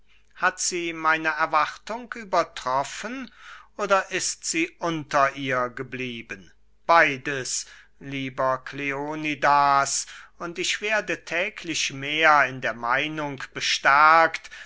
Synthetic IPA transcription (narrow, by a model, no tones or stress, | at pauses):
hatz̥iːmaɪnəɛɐvaʁtʊŋkʔyːbɐtʁ̥ɔfənʔoːdɐʔɪstz̥iːʔʊntɐʔiːɐɡəbliːbən | b̥aɪdəs | liːbɐkʰleonidaːsʊntɪçv̥eːɐdətʰɛːkʰlɪʃmeːɐɪndeːɐmaɪnʊŋkb̥əʃtɛɐkt